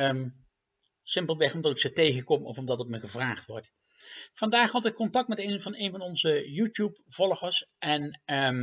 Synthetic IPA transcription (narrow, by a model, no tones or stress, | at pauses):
m | sɪmpəlˠʋɛχɔmdɑtɪksətejχəkɔmɔ̰fɔmdɑtətməχəvraːχtʋɔɹt | fɑndaːχɦɑtɪkːɔntɑk̚tmɛtejnvɑnejnvɑnɔnzəjuːtjupv̥ɔlˠχəɹsɛn